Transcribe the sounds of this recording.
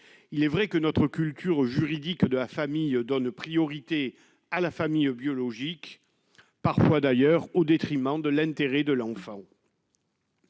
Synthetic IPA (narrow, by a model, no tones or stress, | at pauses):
ilɛvʁɛkənɔt̪χəkʲylt̪ʰyʁʒyʁid̪ikd̪əlafamijd̪ɔnpχijɔʁit̪e | alafamijbjɔlɔʒik | paʁfwad̪ajœʁod̪et̪χimɑ̃d̪əlɛ̃t̪eʁɛd̪əlɑ̃fɑ̃